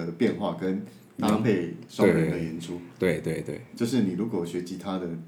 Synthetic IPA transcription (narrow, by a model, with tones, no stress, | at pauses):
ə˩pjɛ˥˧nxwa˥˩kə˦n | t̪a˥pʰe˥˩ɪʂwɻə˧nd̪ə˨jɛ˧˥nʈ͡ʂʰu˥t̪we˥˩ɪt̪we˥˩ɪt̪we˥˩ɪt͡ɕjo˥˧ʊʂ̬ɻ̩˥˩ni˨˩ɻu˧˥kwɔ˨˩ɕɥɛ˧˥t͡ɕi˧˥t̪ʰa˥d̪ə˨